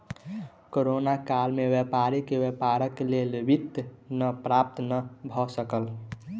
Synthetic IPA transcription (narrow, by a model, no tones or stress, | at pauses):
koɾonakalmewjepaɾikewepaɾəkelelbit̪nəpɾap̚t̪nəbʱɔsəkəl